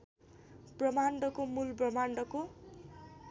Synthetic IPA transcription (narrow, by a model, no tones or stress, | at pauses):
brʌmaɳɖʌkomulbrʌmaɳɖʌko